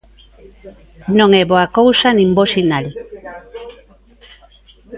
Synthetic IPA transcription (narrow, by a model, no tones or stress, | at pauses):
nõŋeβoakowsanĩmbosinali